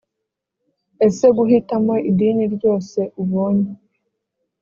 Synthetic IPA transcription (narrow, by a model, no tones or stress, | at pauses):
eseɡuɦitamweʔidiːniɾjoːseʔuβoɲu